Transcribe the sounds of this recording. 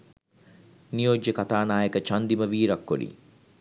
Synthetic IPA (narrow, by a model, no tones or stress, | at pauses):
nijod͡ʒːəkat̪aːnaːjəkət͡ʃand̪iməʋiːɾakːo̰ɖḭ